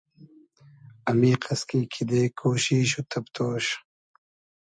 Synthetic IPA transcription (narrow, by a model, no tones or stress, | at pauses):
ɐmiːqʰɐskiːkʰid̪eːkʰoːɕiɕut̪ʰɐpt̪ʰoːɕ